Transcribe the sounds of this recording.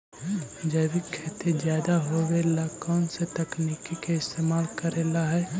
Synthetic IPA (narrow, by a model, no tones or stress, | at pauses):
d͡ʒəːwɪkʰet̪id͡ʒjaːd̪aɦowelakɔːnset̪ɐknikikeɪst̪eːmaːlkəɾeːlaɦɛ